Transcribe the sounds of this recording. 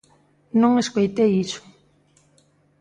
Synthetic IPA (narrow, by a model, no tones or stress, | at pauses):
nõŋeskojt̪eisʊ̥